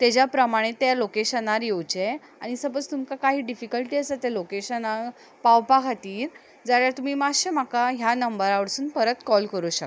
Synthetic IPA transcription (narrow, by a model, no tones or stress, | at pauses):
t̪ed͡ʑjapɾəmaɽ̃et̪jalokeɕənaɾjewt͡ɕe | aɽ̃isəbət͡st̪umkakaɦiːɖifikəlʈiːəsət̪elokeɕəna | pawpakʰat̪iːɾ | d͡zaɭjaɾt̪um̤iːmaɕem̤akaɦjanəmbəɾaʋəɽsuːnpəɾət̪kɔlkəɾuɕək